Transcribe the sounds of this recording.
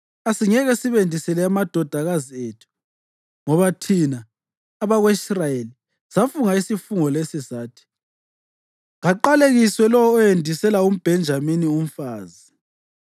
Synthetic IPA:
asiɲɛɣɛsiβendʱisɛlɛamad̥ʱɔd̥ʱaɣazietʰu̥ | ŋɔβatʰinaː | βaɣweisrajeli | safuŋaisifuŋɔlesizaːtʰi̥ | ŋaǃaleɣiswɛlɔwɔːjendʱisɛlaum̩b̥ʱɛnd͡ʒʱaminium̩faːzi

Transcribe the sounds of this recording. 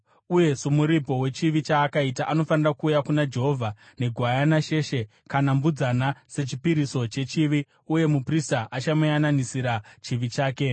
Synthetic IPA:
uje̞sumuɾipo̞we̞t͡ʃiʋit͡ʃaːkaitaʔano̞fanirakuːjakunad͡ʒe̞ɦo̞vʱa | ne̞ɡʱwajanaʃe̞ʃe̞ | kanambud͡zanase̞t͡ʃipiɾiso̞t͡ʃe̞t͡ʃiʋi | uje̞mupristaʔat͡ʃamujananisiɾat͡ʃiʋit͡ʃaːke̞

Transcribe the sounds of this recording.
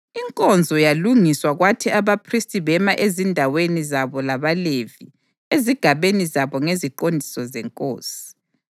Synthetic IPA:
iŋkʼɔnd͡zʱɔjaluŋiswaɣwatʰɛaβapʰristʼiβɛmaʔezindʱawenizaβɔlaβalevi | eziɡ̥ʱaβenizaβɔŋeziǃondʱi̥sɔzɛŋkʼo̰ːsi̥

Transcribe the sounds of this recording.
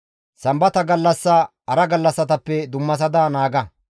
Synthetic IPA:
sɐmbɐt̪ɐɡɐlːɐsːɐ | ɐɾɐɡɐlːɐsːɐt̪ɐpːɛd̪ʊmːɐs̬ɐd̪aːnaːɡɐ

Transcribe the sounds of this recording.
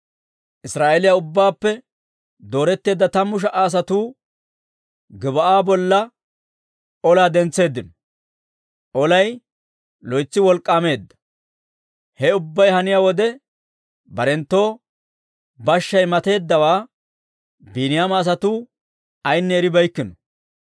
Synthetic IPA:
ʔɪsɾaːʔeːlɪjaʊbːaːpːɛ | d̪o̞ːɾɛt̪ːe̞ːd̪ːɐt̪ɐmːʊʃ̬ɐʔaːs̬ɐt̪uː | ɡɪbɐʔaːbɔlːɐ | ɔlaːd̪ɛnt͡sːe̞ːd̪ːɪnɔ | ʔɔlɐj | lɔjt͡sːɪwɔlkʼːaːme̞ːd̪ːɐ̥ | hɛʊbːɐjhɐnɪjaːwɔd̪ɛ | bɐɾɛnt̪ːo̞ː | bɐʃːɐjmɐt̪e̞ːd̪ːɐwaː | biːnɪjaːmɐːs̬ɐt̪uː | ɐjnːɛːɾɪbɐjkːɪnɔ

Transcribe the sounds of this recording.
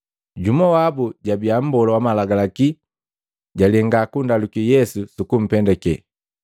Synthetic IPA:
ɟumɔwabuɟabiam̩bɔlɔwamalaɡalaki | ɟalɛŋɡakundalukijɛsusukum̩pɛndɛkɛ

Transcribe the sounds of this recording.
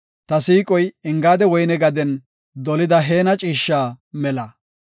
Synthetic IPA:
t̪ɐsiːkʼɔjɪŋɡaːd̪ɛwɔjnɛɡɐd̪ɛn | d̪ɔlɪd̪ɐɦe̞ːnɐt͡ʃʼiːʃːaːmɛlɐ

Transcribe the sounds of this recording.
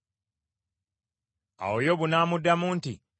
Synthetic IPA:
a̰wojo̞βunaːmudːamuːnti

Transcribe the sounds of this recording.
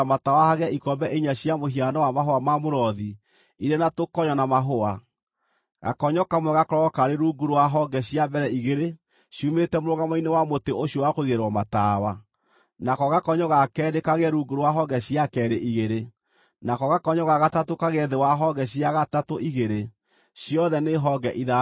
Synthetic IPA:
matawahaɣɛikɔmbɛʔeɲaɕiamoɦianɔwamaɦoamamoɾɔði | iɾenatokɔɲɔnamaɦoa | ɣa̰kɔɲɔkamwɛɣakɔɾɔkaɾeɾuɡuɾowaɦɔɡɛɕiabɛɾɛiɣeɾe | ɕumetɛmoɾoɣɡamainewamoteʔoɕjɔwakoiɣeɾwɔmatawa | nakɔɣakɔɲɔɣakɛːdekaɣeɛɾuɡuɾowaɦɔɡɛɕiakɛːɾeʔiɣeɾe | nakɔɣakɔɲɔɣaɣatatokaɣeɛðewaɦɔɡɛɕiaɣatatoʔiɣeɾe | ɕijɔðɛneɦɔɡɛʔiða

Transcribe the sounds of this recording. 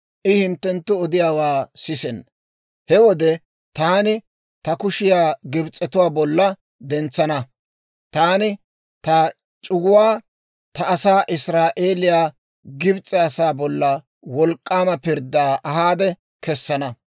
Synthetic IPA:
ʔɪhɪnt̪ːɛnt̪ːʊɔd̪ɪjaːwaːsɪsɛn | hɛwɔd̪ɛ | t̪aːnɪ | t̪ɐkʊʃɪjaːɡɪbt͡sʼːɛt̪ʊwaːbɔlːɐ | d̪ɛnt͡sːɐnɐ | t̪aːnɪ | t̪ɐ | t͡ʃʼʊɡʊwaː | t̪ɐːsaːʔɪsɾaːʔeːlɪjaː | ɡɪbt͡sʼɛɐsaːbɔlːɐ | wɔlkʼːaːmɐpɪɾd̪aːʔɐɦaːd̪ɛ | kɛsːɐnɐ

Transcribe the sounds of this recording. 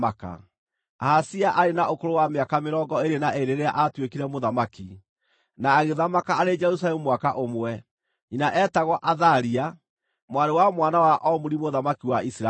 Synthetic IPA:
aka̰ | aːsiaʔaɾenaʔokoɾowameakameɾɔːɡɔeɾenaʔeɾeɾea̰ʔatwekiɾɛmoðamaki | naːɣeðamakaːɾed͡ʒɛɾus̬alɛmumwakaʔomwɛ | inaʔɛːtaɣɔʔaðaɾia | mwaɾewamwanawaʔɔmuɾimoðamakiwaisɾa

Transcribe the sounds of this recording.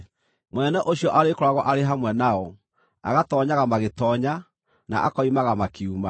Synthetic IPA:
monɛnɛʔoɕjɔʔaɾekoɾaɣɔʔaɾeɦamwɛnaɔ | a̰ɣatɔːɲaɣamaɣetɔɲa | na̰ʔa̰kɔimaɣamakeuma

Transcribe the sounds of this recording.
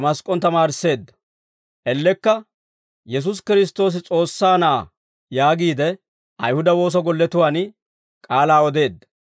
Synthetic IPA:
mɐskʼɔnt̪ɐmaːɾɪsːe̞ːd̪ːɐ̥ | ʔɛlːɛkːɐ | jɛs̬ʊs̬kɪɾɪs̬t̪o̞ːs̬ɪt͡sʼo̞ːsːaːnaː | jaːɡiːd̪ɛ | ʔɐjhʊd̪ɐwo̞ːs̬ɐɡɔlːɛt̪ʊwaːn | kʼaːlaːɔd̪e̞ːd̪ːɐ

